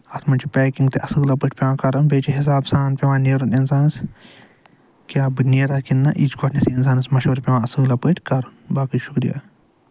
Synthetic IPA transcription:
ɐt̪ʰmɐnt͡ʃʰipʲɛːkiŋɡt̪eʔɐsɨːlɐpɨʈʰʲpʲeʋãːkɐɾɐnbeːt͡ʃiɦis̬aːbsaːnpʲeʋãːneːɾuninsaːnɨs | kʲjaːbɨneːɾaːkinːɐ̰ʔit͡ʃɡoʈʰnesiinsaːnɨsmɐʃoːɾpʲeʋãːɐsɨːlɐpɨʈʰʲkɐɾɐnbaːkiʃukɾḭja̰ː

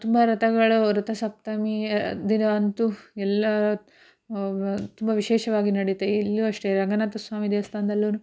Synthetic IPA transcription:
t̪umbɐɾɐt̪ɐɡɐɭuɾɐt̪ɐsɐp̚t̪ɐmid̪inɐʋɐnt̪uɛlːɐ | t̪umbɐʋiʃeːʃɐʋaːɡinɐɽit̪eilːuɐʂʈeɾɐŋɡɐnat̪ɐsʋaːmid̪eːɐst̪ʰaːnd̪ɐlːunu

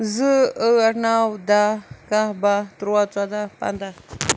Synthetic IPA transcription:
zɨəaɾnawd̪akahbat̪ɾuwat͡swad̪apa̰nd̪a

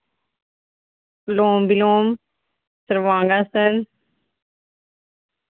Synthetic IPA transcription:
loːmbiloːm | səɾʋãːŋɡaːsən

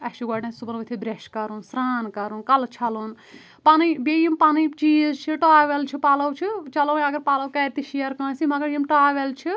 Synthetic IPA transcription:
ɐʃiɡaɖnɐsubɐnʋɐt̪ʰibɾeʃkɐɾunsɾaːnkɐɾunkɐlt͡ʃʰɐlun | panibejimpanit͡ʃiːzt͡ʃʰiʈaːʋelt͡ʃʰipaːlɐwt͡ʃʰit͡ʃɐlɐwɐɡɐɾpaːlɐwkɐːɾt̪iʃijɐɾkãːsimɐɡɐɾjimʈaːʋelt͡ʃʰi

